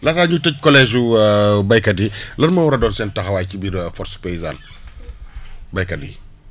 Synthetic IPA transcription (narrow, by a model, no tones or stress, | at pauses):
lɐtaɲutɛc̚kɔlɛːʒubɐjkɐdilɐtmɐwɔɾɐdɔːnsɛːntɐxɐwaːcibiɾfɔrspejiza̰ːn | bɐjkɐdḭ